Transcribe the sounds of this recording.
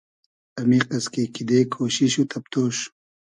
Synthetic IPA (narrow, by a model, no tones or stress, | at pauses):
ɐmiqɐskekid̪eːkʰoːɕiɕut̪ʰɐp̚t̪oːʃu̥